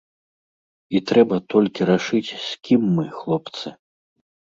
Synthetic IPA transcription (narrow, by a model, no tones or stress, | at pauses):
it̪ɾɛbɐt̪ɔlʲkʲiɾaʂɨt͡sʲsʲkʲʰimːɨxlˠɔp̚t̪sɨ